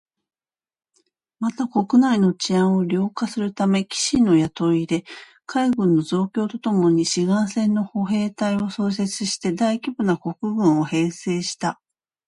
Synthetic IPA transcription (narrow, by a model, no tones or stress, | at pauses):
mat̪ako̞kɯ̟naino̞t͡ɕiãɰ̃o̞ɾʲo̞ːkasɨɾɯ̟t̪ame̞kʲi̥ɕino̞jat̪o̞id̪e̞ | kaiɡɯ̟̃nːo̞zo̞ːkʲo̞ːt̪o̞t̪o̞mo̞ɲ̟iɕiɡãɰ̃sẽ̞nːo̞ho̞ɦe̞ːt̪aio̞so̞ːs̬e̞t͡sɨɕi̥t̪e̞d̪aikʲibɯ̟nako̞kɯ̟ɡɯ̟̃ɰ̃o̞he̞ːse̞ːɕi̥t̪a